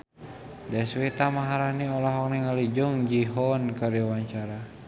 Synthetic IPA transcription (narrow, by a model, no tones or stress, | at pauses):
daswet̪amaɦaɾaniɔlaɦɔk̚nɛŋalid͡ʒuŋd͡ʒiɦɔnkaɾiwaɲt͡ʃaɾa